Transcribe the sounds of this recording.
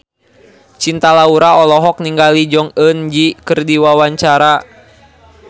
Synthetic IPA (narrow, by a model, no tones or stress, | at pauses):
t͡ʃint̪alauɾaɔlɔɦɔk̚niŋɡalid͡ʒɔŋənd͡ʒikərdiwawaɲt͡ʃaɾa